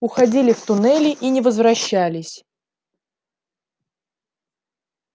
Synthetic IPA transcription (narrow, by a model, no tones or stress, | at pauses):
ʊxɐdʲilʲɪft̪ʊnɛlʲɪʔinʲɪvəzvɾɐɕːælʲɪsʲ